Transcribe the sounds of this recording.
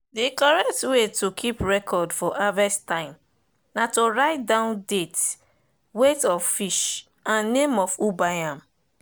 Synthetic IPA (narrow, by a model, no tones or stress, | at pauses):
dikɔɹɛk̚twetʰokʰipɹɛkʰɔdfɔʔavɛstãɪ̃m | natoɹaɪt̚dãʊ̃ndet | wetɔffiʃ | ãnːẽmɔfubajãm